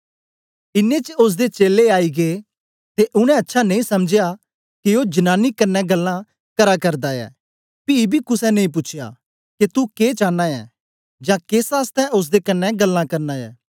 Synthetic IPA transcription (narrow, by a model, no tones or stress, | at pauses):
ɪnːet͡ʃəʊs̬d̪et͡ʃeːlːeaːiɡeː | t̪eʔʊɽ̃ɛ̃ɐtːʃʰanɐ̃ĩsɐmd͡ʒɪja | kiod͡ʒɐnaːnikɐnːɛɡɐlːã | kɐɾakɐɾd̪aɛ̰ː | piibʱikʊsɛnɐ̃ĩːp̬ʊːt͡ʃʰeja̰ | ket̪ukeːt͡ʃãːnːãjɛ̰ː | d͡ʒãkeːsaːst̪ɛ̃ʔʊs̬d̪ekɐnːɛɡɐlːãkɐɾnaːjɛ̰ː